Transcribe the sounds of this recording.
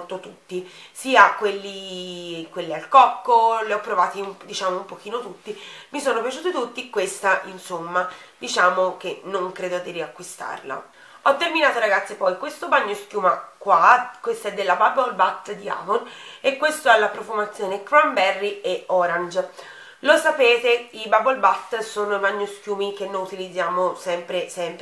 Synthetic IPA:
t̪ot̪ut̪ːisiːakwelːi | kwelːialkɔkːoleɔpːɾovaːt̪iumd̪it͡ʃaːmoumpok̟iːnot̪ut̪ːimisonopjat͡ʃuːt̪ot̪ut̪ːikwest̪aʔinsomːa | d̪it͡ʃaːmok̟enːoŋkɾeːd̪od̪iriakwist̪a̰rla̰ | ɔt̪ːerminaːt̪oɾaɡat̪sːepɔjkwest̪obaɲːoskjuːmakwakwest̪aɛd̪ːelːababolbat̪ːd̪ia̰ːvonekːwest̪oɛlːapɾofumat̪sːjoːnekɾambɛrːieɔɾand͡ʒ | losapeːt̪eibabolbat̪ːsoːnoibaɲːosk̟juːmik̟enːojut̪ilid̪zːjaːmosɛmpɾesɛmp

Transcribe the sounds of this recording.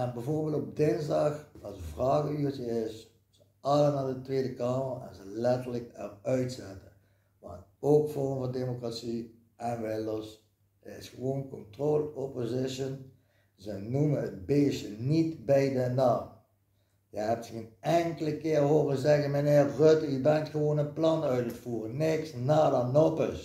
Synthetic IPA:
ɛnbɛjvoːɹbeːlˠtɔb̚dɪnzdɑxɑlˠsəvrɑːɣəytəɪs | z̥ə | ɑlənaːdətʋeːdəkɑːmərɛ̰nzəlɛtəɹləkɛrœɥtsɛtə | ʋɑ̰ntoːkfɔɹəmvɑndemokratsi | ɛnʋɪlɔs | ərɪsxəʋownkɔntroːlɔpozɪʃən | zənuməət̚beːsənitbɛjdənaːm | jəɦɛp̚tɣenɛŋkələkɪːrɦoːrəzɛɣənməneːrrøtybɛntxəʋonənplɑnœɥtətfuːrənɪksnaːdanopəs

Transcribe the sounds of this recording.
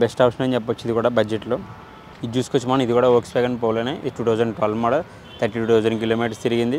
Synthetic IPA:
besʈaːpʂɐnent͡ʃɛp̬ːɐt͡ʃːid̪ikuːɽaːbɐd͡ʒeʈloː | it͡ʃuːsukot͡ʃːimaːnɐid̪ikuːɽaːoːkspɛːɡɐnpoːlɐːneːʈuːt̪ʰɐwd͡ʒɐɳɖʈʋɐlfmaːɽɐ | t̪ʰɐɾʈiːʈuːt̪ʰɐwd͡ʒɐɳɖkiloːmiːʈɐst̪iɾiɡind̪i

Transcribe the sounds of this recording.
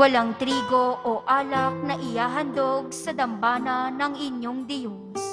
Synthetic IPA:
ɐlaŋt̪ɾiːɡoʔoʔaːlɐk̚nɐʔɪjaːɦɐnd̪oɡ̚sɐd̪ɐmbaːnɐnɐŋɪɲjoŋd̪ɪjʊŋs

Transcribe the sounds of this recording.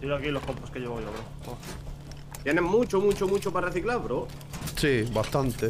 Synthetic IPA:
d̪iɾakiloskomposkeʎeβajoβɾo | o | t̪jenemmut͡ʃomut͡ʃomut͡ʃopareθiklaβɾo | siβast̪ant̪e

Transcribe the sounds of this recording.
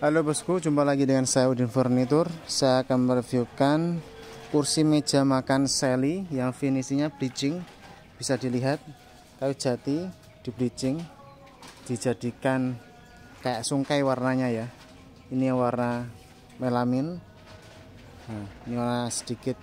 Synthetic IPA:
alobəskud͡ʒumpalaɡidəŋansajaudɪnfərnit̪ʊrsajaːkanmərviukan | kursime̥d͡ʒ̥a̤makanselijaŋfinisiɲablit͡ʃɪŋ | b̥isadiliɦat̪̚ | kaju̥d͡ʒ̥a̤t̪i | d̥i̤blit͡ʃɪŋ | d̥id͡ʒad̥ikan | kajaʔsuŋkajwarnaɲaja | inijaŋwarna | melamɪn | ainiwarnasə̥d̥ikɪt̪̚

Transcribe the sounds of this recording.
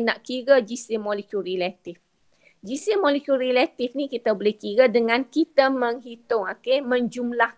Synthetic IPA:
naʔkiɾəd͡ʒisɪmolikuɾilat̪ɪf | d͡ʒisɪmolikuɾilat̪ifnikit̪abəlɪhkiɾədəŋãnkit̪aməŋɦit̪ʊŋakemə̃ɲd͡ʒumlah

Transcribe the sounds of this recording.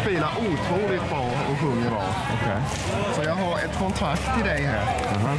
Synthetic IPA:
piːlaɾʔut̪ʰɾuːlɪt̪̚bɾɑː | ɔɦɵŋːəɾɑ̰ː | ɔ̰kʰɛj | sɔjɑːɡɦaɾɛt̪kʰɔnt̪ʰɾak̚t̪ʰːɪld̪ɛjɦæ̰ːɾ

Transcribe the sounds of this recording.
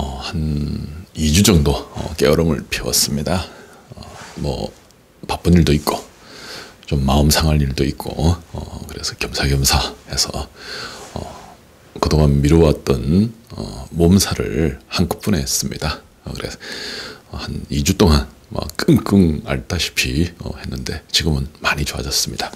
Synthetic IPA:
ʌhan | id͡ʑud͡ʑʌŋdoʌ̰k͈ejʌɾʌmɯ̰ɭpʰiwʌ̰s͈ɯmɲida | ʌmʌ̰ | pap͈ɯniɭdoit̚k͈o | t͡ɕomːaɯmsʰaŋɦaniɭdoit̚k͈o̰ʌ̰kɯɾe̞̰sʰʌ̥kjʌmsʰaɡjʌmsʰaesʰʌ̰ | ʌ | kɯdoŋanmiɾʌwat̚t͈ʌnʌ̰momsʰaɾɯ̰ɭhanku̥p͈unes͈ɯmɲida | kɯɾe̞̰ | hanid͡ʑut͈oŋan | ma̰k͈ɯŋk͈ɯŋa̰ɭtʰaɕʰi̥pʰiʌ̰he̞nːɯnde̞t͡ɕiɡɯmɯnmaɲit͡ɕoa̰d͡ʑʌs͈ɯmɲida

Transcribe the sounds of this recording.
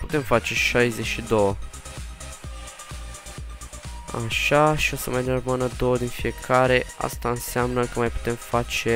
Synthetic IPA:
put̪ɛmfat͡ʃeʃajzɛʃid̪o | a̰ʃaʃosəmajneɾmanad̪ɔd̪infiekʰaːɾea̰st̪ansjamnakəmajpu̥t̪ɛmfat͡ʃe

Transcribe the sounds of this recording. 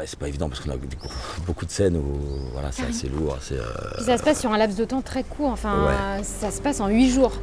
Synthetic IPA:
ɛsɛ̥paevid̪ɑ̃paʁsəkɔ̃na̰d̪epuʁbokud̪əsɛnuvwa̰la̰sɛasḛluːʁsɛ̰ø̰issasəpasːyʁɛ̃laps̬d̪ət̪ɑ̃t̪χɛkʰuʁɑ̃fɛ̃wɛ̰sasə̥pasɑ̃ɥiʒuːʁ

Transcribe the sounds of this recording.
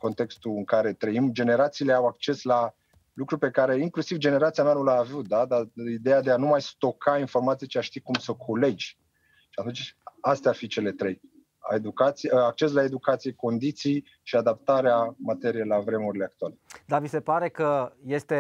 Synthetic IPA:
ko̞nt̪e̞kst̪uɨŋkaɾe̞t̪ɾəimd͡ʒe̞ne̞ɾat̪siːle̞awak̚t͡ʃe̞sla | lukɾupe̞kaɾe̞iŋklusivd͡ʒe̞ne̞ɾat̪sijananulaːvut̪̚d̪ad̪aid̪ejad̪e̞anumajst̪o̞kainfo̞rmat̪sijet͡ʃiaʃt̪ikumsəkʰole̞d͡ʒʲ | ʃiat̪unt͡ʃast̪earfit͡ʃe̞le̞t̪ɾe̞j | a̰ed̪ukat̪siak̚t͡ʃe̞slae̞d̪ukat̪sijeko̞nd̪it̪sij | ʃiad̪ap̚t̪aɾeamat̪e̞ɾijelavɾe̞muɾile̞ak̚t̪ualed̪avisepaɾekəjest̪e

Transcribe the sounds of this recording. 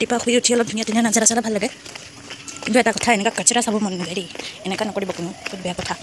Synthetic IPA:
tipaxubiutʰiɔlɔp̚dʱunijadunijanazaɾasalabʱalːaɡɛ | kintuɛtakɔtʰaɛnɛkakasɔɾasabɔmɔnnɔzaɹiɛnɛkanɔkoɹibɔkʊnʊkʰut̚bɛjakɔtʰa

